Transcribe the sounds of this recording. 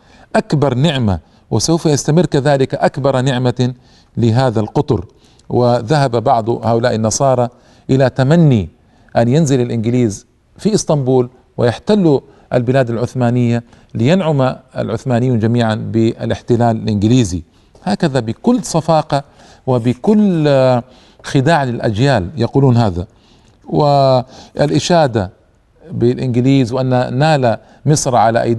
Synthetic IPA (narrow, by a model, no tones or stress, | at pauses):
ʔakbɑɾˤnɪʕma̰ | wɪsawfajast̪amɪrːkaðaːlɪkaʔakbɑɾˤnɪʕma | lɪɦaːðalqʊt̪ˤʊɾ | wɪðaɦababɑʕd̪ˤhaːʔʊlaːʔɪnːɑsˤɑːɾˤɑ | ʔɪlat̪amanːi | ʔanjɪnzɪlɪlʔɪnɡɪliːz | fiʔɪst̪ˤɑmbuːl | wɪjaħt̪alːu | ʔa̰lbɪlaːd̪alʕʊθmaːnɪjːa | lɪjanʕʊmaa̰lʕʊθmaːnɪjuːnd͡ʒamiːʕanbɪʔa̰lʔɪħt̪ɪlaːlalʔɪnɡɪliːzi | haːkaðabɪkʊlːsˤɑfɑːqɑ | wɪbɪkʊlː | xɪd̪aːʕlɪlʔa̰d͡ʒjaːljɑquːluːnɦaːða̰ | wɪʔalʔɪʃaːd̪a | bɪlʔɪnɡɪliːzwʔanːanaːla | mɪsˤɾˤʕala̰ʔa̰jd̪